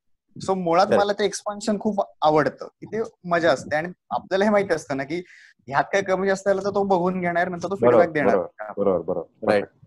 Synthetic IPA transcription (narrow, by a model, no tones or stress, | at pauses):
somoɭat̪məlat̪eekspanɕənkʰuːpaʋəɽt̪ə̰ːkiːt̪eməd͡ʑaəst̪eaɽ̃ia̰p̚d̪alaɦemaɦit̪eəst̪əːnakiː | ɦjat̪̚kajkəmiːəst̪alat̪əɾt̪obəɡʱuːnɡʱeɽ̃aɾjəɾmə̃nt̪əɾt̪ofeɾbak̚d̪eɽaɾkabəɾobəɾbəɾo̰bəɾa